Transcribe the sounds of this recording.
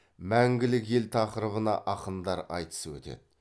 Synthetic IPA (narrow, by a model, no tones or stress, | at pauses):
mæŋɡʲɪlɪke̞lt̪ʰɑqəɾəβənɑ̰ʔɑqənd̪ɑɾɑ̰jt̪ə̥səwɵ̰t̪e̞̰d̪ɪ